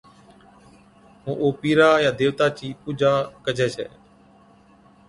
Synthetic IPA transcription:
ɦũːʔoːpiːɾaːjaːd̪eːʋt̪aːt͡ʃiːpuːd͡ʒʱaːkəd͡ʒʱeːsḛː

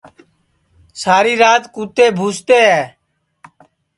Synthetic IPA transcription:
saːɾiːɾaːt̪kuːt̪eːbʱuːst̪eːɦɛː

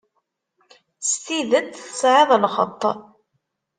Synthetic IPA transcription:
st̪iðət͡s̪θəsʕɪðˤlχə̰t̪ˤː

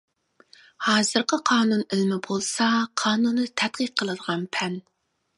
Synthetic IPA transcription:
hɑːzɨɾqʰəqʰɑːnunɪlmɪbolˠsɑqʰɑːnunːɨt̪ʰɛt̪̚qiq̚ʰːəlˠɨd̪əʁɑnpʰɛn

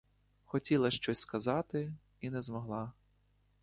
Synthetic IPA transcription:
xɔtʲilˠɐʃt͡ʃɔsʲskɐzɑt̪ɪ | inɛzmɔɦlˠɑ

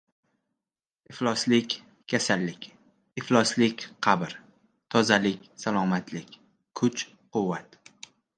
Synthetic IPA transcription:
ɪflˠɒslɪkʲ | kʲʰasalːɪkʲ | ɪflˠɒslɪkʲqʰɑbɾ | t̪ʰɒzalɪkʲsalˠɒmat̪lɪkʲ | kʰʊt͡ʃ | qʰʊwːat̪

